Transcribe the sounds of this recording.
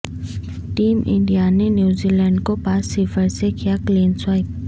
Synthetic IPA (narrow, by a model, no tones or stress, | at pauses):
ʈiːmʔɪ̰̃ɳɖijanenjuːzilɛːɳɖkopaːsːɪfəɾsekijakleːnswaːɪt